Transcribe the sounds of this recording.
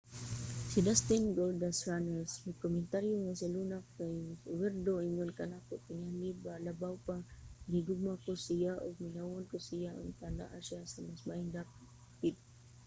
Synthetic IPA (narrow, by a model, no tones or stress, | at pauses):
sidast̪ɪnɡold̪asɾanəsmakomɪnt̪aɾjoŋasalunakkajwɛrd̪oiŋʊnkanakʊʔt̪ɪŋalibalabawpaɡiɡʊɡ̚makʊsijaʔʊ̰ɡ̚minawʊnkʊsijaʊŋk̪ana̰ʔaʃiasamasmaɪŋd̪ap | p̪ɪt̪̚